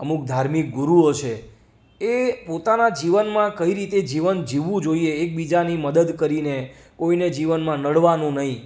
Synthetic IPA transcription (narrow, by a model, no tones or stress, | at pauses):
əmuk̚d̪ʱaɾmik̚ɡuɾuot͡ʃʰe | epot̪anad͡ʒiʋənmãkəiɾit̪ed͡ʒiʋənd͡ʒiʋũd͡ʒoieːk̚bid͡ʒaniməd̪əd̪kəɾine | koined͡ʒiʋənmãnəɽʋanũnəɦĩ